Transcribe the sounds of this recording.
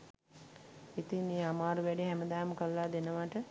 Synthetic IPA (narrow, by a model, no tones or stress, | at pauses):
it̪ineːamaːɾuʋɛɖiɦæməd̪aːməkəllːaːd̪enəʋaʈə